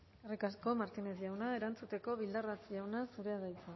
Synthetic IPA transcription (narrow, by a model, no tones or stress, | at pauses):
erikasko̞maɾt̪ine̞sʝawnae̞ɾant͡sut̪e̞ko̞βild̪arat͡sʝawnasuɾe̞aðajt͡sa